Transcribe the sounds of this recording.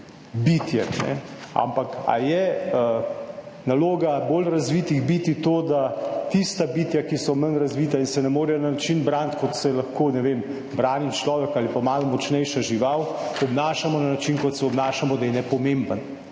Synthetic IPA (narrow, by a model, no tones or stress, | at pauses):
bit̪jɛ̰nɛ̰a̰mpaka̰jɛə | naloːɡaboːlɾazʋiːt̪iɣbit̪it̪oːd̪at̪ist̪abiːt̪jakisɔmənɾazʋit̪ainsɛnɛmoːɾɛnanat͡ʃinbɾaːnt̪kɔt̪sɛlɐxkoːnɛʋem | bɾaːnit͡ʃlɔːʋɛkaːlipamaːlumɔt͡ʃnɛjʃaʒiʋaw | ɔbnaːʃamɔnanat͡ʃinkɔt̪sɛɔbnaːʃamɔd̪ajɛnɛpɔmembən